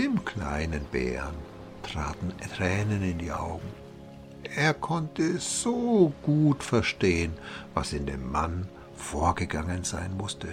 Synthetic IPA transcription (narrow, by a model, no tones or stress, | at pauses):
ʔɪmkʰl̥a̰ɪnənbɛ̰ːn | tʁ̥aːtn̩tʁ̥ɛːnənɪndiːʔa̰ʊɡŋ̩ | ʔeːɐkʰɔntʰəz̥oːɡ̥uːtfɛɐʃteːənva̰sɪndeːmːan | foːɐɡəɡaŋənzaɪnmʊstʰə